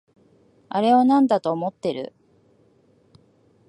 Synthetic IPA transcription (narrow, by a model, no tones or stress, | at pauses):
aɾe̞onãnd̪at̪o̞ːmo̞t̪ːe̞ɾɯ̟̰